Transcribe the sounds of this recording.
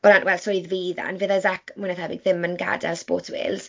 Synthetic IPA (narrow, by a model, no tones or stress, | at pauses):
bɔɾanʔwɛlˠsɔjðviːða̰nveðazakmʊjnaθabɪɡ̚ðɪmənɡa̰dɛ̰lˠspɔ̰ːtwḛːlˠz̥